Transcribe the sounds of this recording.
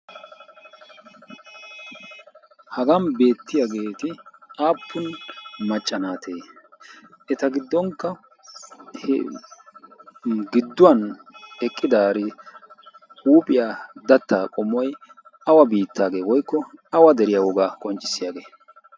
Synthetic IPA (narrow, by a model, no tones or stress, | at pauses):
hɐɡɐnbe̞ːt̪ːɪjaɡe̞ːt̪ɪʔaːpʰːʊnmɐt͡ʃʼːɐnaːt̪ʰe̞ː | ɛt̪ɐɡɪd̪ːɔŋkːɐ | h | ɡɪd̪ːʊwɐnɛkʼːɪd̪aːɾɪ | huːpʼɪjaːd̪ɐt̪ːaːkʼɔmːɔj | ɐwɐbiːt̪ʰːaːɡe̞ːwɔjkːɔɐwɐd̪ɛɾɪjawɔɡaːkʼɔnt͡ʃʼːɪ̥sːɪjaɡe̞ː